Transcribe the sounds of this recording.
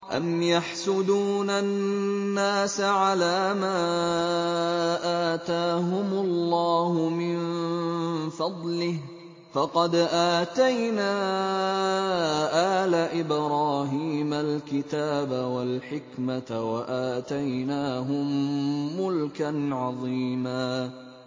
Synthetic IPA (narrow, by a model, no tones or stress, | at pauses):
ʔa̰mjaħsʊd̪uːnanːaːsaʕalaːmaː | ʔaːt̪aːɦʊmʊlːɑːhʊmɪn | fɑd̪ˤlɪh | fɑqɑd̪ʔaːt̪ajnaː | ʔaːlaʔɪbɾɑːɦiːmalkɪt̪aːbawalħɪkmatawaʔaːt̪ajnaːɦʊmːʊlkanʕɑðˤiːmaː